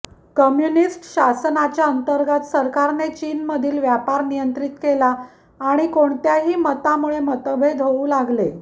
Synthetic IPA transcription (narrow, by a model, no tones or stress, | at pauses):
kəmjunisʈɕasnat͡ɕjaənt̪əɾɡat̪səɾkaɾnet͡ɕiːnməd̪ʱiːlʋjapaɾnijənt̪ɾit̪kelaː | ɽ̃ikoɳt̪jaɦiːmət̪amuɭemət̪əbʱed̪ʱɦoũːlaɡle